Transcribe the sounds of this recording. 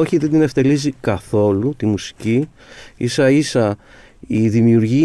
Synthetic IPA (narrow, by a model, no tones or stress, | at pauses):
oçiðed̪ine̞ft̪e̞lizikɐθo̞lut̪imusi̥ci | isɐisɐ | iðimiuɾʝi